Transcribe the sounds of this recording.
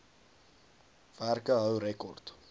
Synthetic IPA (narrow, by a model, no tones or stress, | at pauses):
v̥ærkəɦœwɾɛkɔrt